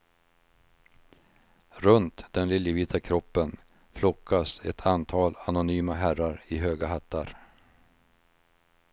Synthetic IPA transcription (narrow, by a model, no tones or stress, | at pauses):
ɾɵnt̪d̪̥ɛnlɪljəviːt̪ʰakʰɾɔpːən | flɔkʰːasɛt̪ʰant̪ʰɑːlanʊnyːmaɦæɾaɾɪɦøːɡaɦat̪ʰːa̰ɾ